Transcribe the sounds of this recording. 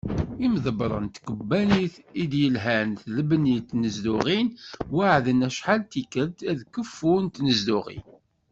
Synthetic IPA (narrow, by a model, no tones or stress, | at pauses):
imðəbɾˤə̰nt̪kəbːæniθid̪jəlɦænθləbnit̪nəzd̪uʁinwaʕðənæʃħalt̪ikəɾt̪æðkəfːunt̪nəzd̪uʁḭn